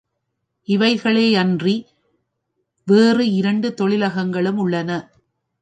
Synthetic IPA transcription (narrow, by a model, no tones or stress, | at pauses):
ʔɪʋɐɪɣɐɭeːɐndri | ʋeːrɯɪɾɐɳɖɯt̪ɔɭɪlɐɣɐŋɡɐɭɯmʊɭːɐnɐ